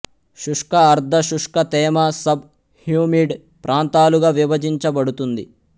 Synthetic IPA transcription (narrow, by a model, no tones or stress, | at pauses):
ʃuʂkɐːɾd̪ʱɐʃuʂkɐt̪ɛːmɐsɐb | hjuːmiːɖ | pɾʔaːnt̪aːluɡaːʋiʋɐd͡ʒiɲt͡ʃɐbɐɽut̪und̪ḭ